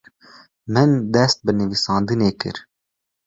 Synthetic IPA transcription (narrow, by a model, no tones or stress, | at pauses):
mɨnd̪ɛst̪̚bɨnɨvisɑːnd̪ɨneːkɨ̰ɾ